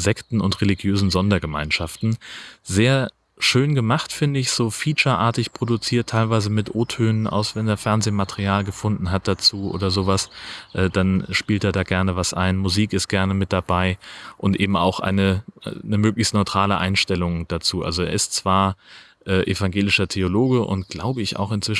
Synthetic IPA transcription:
zɛktn̩ʊntʁeliɡjøːzn̩zɔndɐɡəma̰ɪnʃaftn̩zeːɐ | ʃøːnɡəmaχtfɪndəɪçz̥oːfiːt͡ʃɐʔaːɐtɪçpʁ̥odut͡siːɐtʰaɪlvaɪzəmɪtʔoːtʰøːnənʔa̰ʊsv̥ɛneːɐfɛɐnzeːmatəʁiaːlɡəfʊndn̩ɦat̚d̥at͡suːʔo̰ːdɐzoːvasʔɛːd̥anʃpiːlteːɐdaːɡɛɐnəvasʔa̰ɪnmuziːkɪst̚ɡ̥ɛɐnəmɪt̚d̥abaɪʔʊntʔḛːbm̩a̰ʊxʔa̰ɪnəʔnəmøːklɪçstnɔʏɪtʁ̥aːləʔa̰ɪnʃtɛlʊŋd̥at͡suːʔa̰lzoeːɐɪstt͡sv̥aːɐ | ʔɛːʔḛfaŋɡeːlɪʃɐtʰeoloːɡəʔʊ̰ntɡ̥laʊbəɪça̰ʊxɪnt͡sv̥ɪʃ

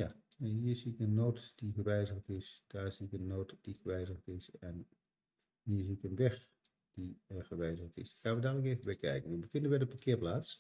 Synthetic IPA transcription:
jaɦiːɹziɪkənːoːtd̥iχəʋɛjzəχtɪsd̥aːɹz̥iɪkənːoːtd̥iχəʋɛjzəχtɪsɛn | ɦiːɹziːɪkənʋɛx | d̥iχəʋɛjzəχtɪ̰sχaːnʋədaːɡələkeːvənbɛjkɛ̰jkənʋʋəfɪndənʋədəpakɪːɹplaːts

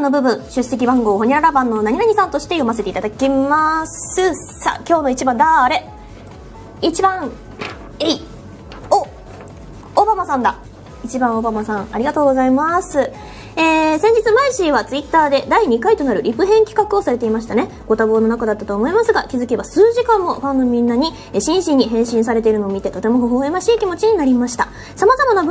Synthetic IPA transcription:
ano̞bɯ̟bɯ̟̃ɰ̃ɕɨse̞k̬ʲibãŋɡo̞ːɦo̞ɲ̟iɾaɾabãnːo̞naɲ̟inaɲ̟isãnt̪o̞ɕi̥t̪e̞jo̞mas̬e̞t̪eit̪ad̪akʲimasɨsa̰kʲo̞ːno̞it͡ɕibãnd̪aːɾe̞ | it͡ɕibãŋ | ei | o | bamasãnd̪a | it͡ɕibãɰ̃o̞bamasãŋ̃aɾʲiɡat̪o̞ːɡo̞zaimasɨ | eːsẽɲ̟d͡ʑit͡sɨmaiɕiːβat͡sɨit̪ːaːd̪e̞d̪aiɲ̟ikait̪o̞naɾɯ̟ɾʲipɯ̟ɦẽ̞ŋkʲi̥kakɯ̟o̞saɾe̞t̪e̞imaɕ̬i̥t̪ane̞ | ɡ̥o̞t̪abo̞ːno̞nakad̪at̪ːat̪o̞ːmo̞imasɨɡakʲizɨke̞βasɨːʑikãmːo̞ɸãnːo̞mʲĩnːaɲ̟i | eɕĩɰ̃ɕĩɲ̟ːiɦẽ̞ɰ̃ɕĩɰ̃saɾee̞iɾɯ̟no̞ːmʲit̪e̞t̪o̞t̪e̞mo̞ɦo̞ɦoːemaɕiːkʲimo̞t͡ɕiɲ̟inaɾʲimaɕi̥t̪a | samazamanab

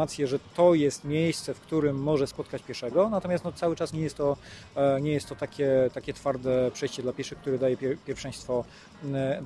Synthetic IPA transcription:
at̪sʲjɛʐɛt̪ɔjɛst̪mʲjejst̪sɛfkt̪uɾɘmːɔʐɛspɔt̪kat͡ɕpʲjɛʂɛɡɔnat̪ɔmʲjast̪nɔt̪sawɘt͡ʂasɲɛjɛst̪ːɔ | ɲɛjɛst̪ːɔt̪akʲɛt̪akʲɛt̪faɾd̪ɛpʂɛjɕt͡ɕɛd̪lapʲɛʂɘxk̚t̪uɾɛd̪ajɛpʲjɛɾfʂɛ̃j̃st̪fɔ

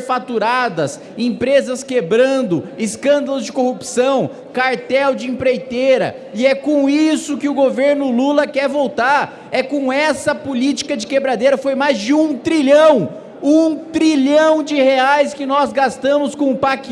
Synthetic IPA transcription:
fat̪uɾad̪ɐs | ẽpɾezɐskebɾɐ̃nd̪ʊɪskɐ̃nd̪ɐlʊzd͡ʒɪkohupsɐ̃w̃ | kaɾt̪ɛwd͡ʒɪĩpɾejt̪eɾɐ̰ | ɪɛkõw̃isʊkɪʊɡoveɾnʊlulɐkɛɾvowt̪aɾ | ɛkõw̃ɛsɐpolit͡ʃi̥kɐd͡ʒɪkebɾad̪ejɾɐfojmajzd͡ʒɪũt̪ɾiʎɐ̃w̃ | ũt̪ɾiʎɐ̃w̃d͡ʒɪheajskɪnɔzɡast̪ɐ̃mʊskõʊpak

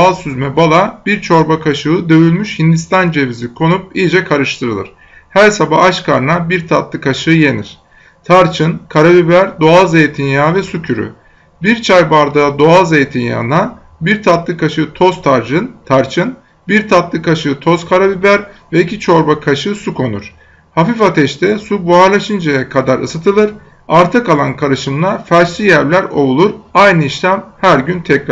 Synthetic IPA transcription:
alˠsyzmɛbalˠabiɾt͡ʃʰo̞ɾbakʰaʃɯɯd̪ø̞jylʲmyʃhind̪ist̪and͡ʒevizikʰo̞nup̚ilʲd͡ʒɛkʰaɾɯʃt̪ʰɯɾɯlˠɯ̰ɾ̥ | hæɾsabaaʃkʰaɾnabiɾt̪ʰat̪lˠɯkʰaʃɯːje̞nḭɾ̥ | t̪ʰaɾt͡ʃʰɯnkʰaɾabibæɾd̪oalˠzejet̪ʰinjaːvɛsucʰyɾy̰ | biɾt͡ʃʰajbaɾd̪ad̪o̞alˠzejt̪ʰinja̰na | biɾt̪ʰat̪lˠɯkʰaʃɯt̪ʰo̞zt̪ʰaɾd͡ʒɯnt̪ʰaɾt͡ʃʰɯn | biɾt̪ʰat̪lˠɯkaʃɯt̪ʰo̞z̥kʰaɾabibæɾvɛicʰit͡ʃʰo̞ɾbakʰaʃɯsukʰo̞nṵɾ̥ | hafifat̪ʰɛʃt̪ʰɛsubuaɾlˠaʃɯnd͡ʒajakʰad̪aɾʔɯ̰sɯt̪ʰɯlˠɯɾ | aɾt̪ʰakalˠankʰaɾɯʃɯmlˠaɾfæɾʃlʲijæɾlʲæɾo̞̰vulˠuɾajnɯiʃlʲæmhæɾɟynt̪ʰɛcɾa

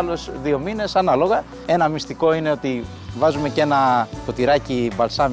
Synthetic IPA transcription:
lo̞sðio̞mine̞sɐnɐlo̞ɣɐ | e̞nɐmist̪iko̞ine̞o̞t̪i | vɐzume̞ce̞nɐko̞t̪iɾɐcibɐlsɐm

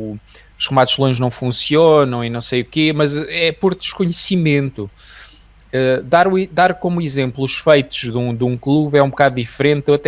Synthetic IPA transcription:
uʃʁɨmaðuʒlˠõʒnɐ̃w̃fũsionɐ̃w̃inɐ̃w̃sejukemɐzɛpɔɾd̪ɨʃkuɲɨsimẽnt̪u | ɛd̪aɾuid̪aɾkomuizẽmplˠuʃfɐjt̪uʒðũd̪ũklˠuβɛũbukaðuðifɾẽnt̪ewɐt̪ɛ

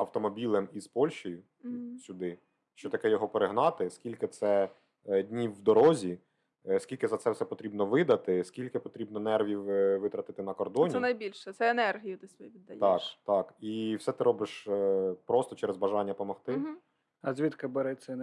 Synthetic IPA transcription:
ɐwt̪ɔmɔbʲilˠɪmizpɔlʲʃt͡ʃɔjʊ | sʲʊd̪ɪ | ʃt͡ʃɔt̪ɐkɛjɔɦɔpeɾɪɦnɑt̪ɪskʲilʲkɪt̪sɛ | dʲnʲiwːd̪ɔɾɔzʲi | skʲilʲkɪzɐt̪sɛwsɛpɔt̪ɾʲibnɔʋɪd̪ɐt̪ɪskʲilʲkɪpɔt̪ɾʲibnɔnɛrʋʲiwʋɪt̪ɾɐt̪ɪt̪ɪnɐkɔrd̪ɔnʲiɛnɐjbʲilʲʃɛt̪sɛːnɛrɦʲijʊt̪ɪsʋjʋʲid̪ːɐjt̪ɑkt̪ɑkiwsɛt̪ɪɾɔbɪʃpɾɔst̪ɔt͡ʃɛɾezbɐʒɑnʲːɐpɔmɔxt̪ɪ | ɐzʲʋʲit̪kɐbɛɾɛt͡sʲɐn

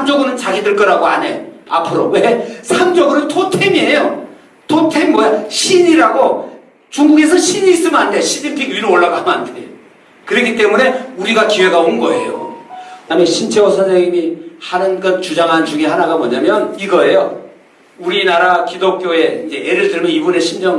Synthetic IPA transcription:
sʰamd͡ʑʌɡɯnɯnt͡ɕaɡidɯɭk͈ʌɾaɡoa̰ne̞joa̰pʰɯɾo̰we̞sʰamd͡ʑʌɡɯnɯntʰotʰemie̞jo | tʰotʰemmʌjaɕʰiɲiɾaɡo | t͡ɕuŋɡuɡe̞sʰʌɕʰiɲiːs͈ɯmanndeoɕʰidipʰiɡɥiɾɯoɭːaɡamandḛjo | kɯɾʌkʰit͈e̞mune̞uɾiɡakiwe̞ɡaonɡʌe̞̰jo̰kɯdameɕʰint͡ɕʰeʌsʰaɾʌɡimihanɯnɡʌnt͡ɕud͡ʑaŋɦant͡ɕuŋiɦanaɡamʌɲamjʌniɡʌe̞jo | uɾinaɾakidok͈joe̞ind͡ʑe̞ʔeɾɯɭtɯɭmjʌnibune̞ɕʰind͡ʑʌŋ

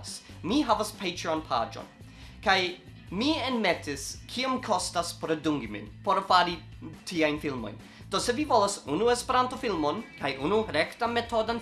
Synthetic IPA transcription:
smiɦavaspʰejtɾanpʰa̰d͡ʒo̰n | kaj | mienmetʰiskʰiomkʰostaspoɾaduŋɡimḭnpo̞ɾfaɾi | tʰiajnfilmo̞̰jn | d̥o̞se̞vivo̞lasunue̞speɾantofilmonkajʔunuɾektame̞tʰo̞dan

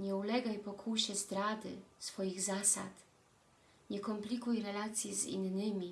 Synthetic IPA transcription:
ɲɛulɛɡajpɔkʰuɕɛzd̪ɾad̪ɘ̰sfɔjiɣzasa̰t̪ | ɲʲɛkɔmplikujɾɛlaːt̪sjizḭnnɪmʲi

